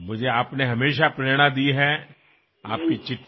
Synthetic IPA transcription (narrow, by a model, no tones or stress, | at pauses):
mʊd͡ʒʱeaːpneɦɐmeːʃapɾeːɽ̃ad̪iɦɛ | a̰ːp̚kit͡ʃɪʈː